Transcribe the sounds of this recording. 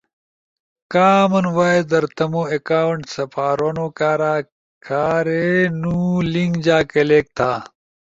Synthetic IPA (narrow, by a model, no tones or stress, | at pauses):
kaːmɐnwaːed̪ɐɾt̪ɐmoːekaːwɳʈsɐpaːɾoːnoːkaːɾaː | kʰaːɾenuːliŋɡd͡ʑaːkeleːk̚t̪ʰaː